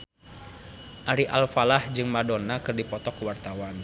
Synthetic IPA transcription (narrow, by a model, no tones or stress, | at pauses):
ʔaɾiʔalfalahd͡ʒɨŋmadonakɨrdipɔt̪ɔkwart̪awan